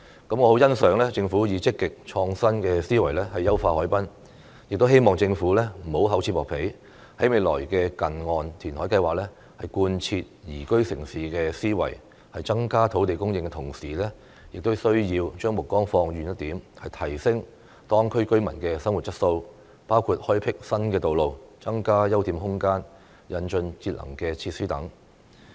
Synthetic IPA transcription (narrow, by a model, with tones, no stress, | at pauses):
kɐ˨˥mŋɔː˨˧ho˨˥wjɐ˥nsœː˨˥ŋlɛː˥t͡sɪ˧ŋfuː˨˥jiː˨˧t͡sɪ˥kːɪ˨k̚t͡ʃʰɔː˧ŋsɐ˥nkɛː˧siː˥wɐ˨˩jlɛː˥hɐ˨jːɐ˥wfaː˧hɔː˨˥jpɐ˥n | jɪ˨k̚t̪o˥wɦe˥jmɔː˨ŋt͡sɪ˧ŋfuː˨˥lɛː˥m̩˨˩ho˨˥wɦɐ˨˥wt͡sʰiː˧tpːɔː˨˩pʰe˨˥j | hɐ˨˥jme˨˧jlɔ̰ː˨˩jkɛː˧kɐ˨nŋɔː˨nt̪ʰiː˨˩nhɔː˨˥jkɐ˧jwaː˨k̚lɛː˥ | hɐ˨jkuː˧nt͡sʰiː˧t̚jiː˨˩kɵ˥ɥsɪ˨˩ŋsiː˨kɛː˧siː˥wɐ̰˨˩j | hɐ˨jt͡sɐ˥ŋkaː˥t̪ʰo˨˧˥wt̪e˨jkʊ˥ŋjɪ˧ŋkɛ˧t̪ʰʊ˨˩ŋsiː˨˩lɛː˥ | jɪ˨k̚t̪o˥wsɵ˥ɥjiː˧wt͡ʃœː˥ŋmʊ˨kːɔː˥ŋfɔː˧ŋjyː˨njɐ˥t̪̚iː˨˥mhɐ˨jt̪ʰɐ˨˩jsɪ˥ŋ | t̪ɔː˥ŋkʰɵ˥ɥkɵ˥ɥmɐ̰˨˩nkɛː˧sɐ˥ŋwu˨t̚t͡sɐ˥t̚so˧w | paː˥wkʰuː˨˧t̚hɔː˥jpʰɪ˥k̚sɐ˥nkɛː˧t̪o˨wlo˨wt͡sɐ˥ŋkaː˥jɐ˥wt̪iː˧˥mɦʊ˥ŋkaː˥n | jɐ˨˧nt͡ʃɵ˧nt͡siː˧t̚lɐ̰˨˩ŋkɛː˧t͡sʰiː˧t̚syː˥t̪ɐ̰˨˥ŋ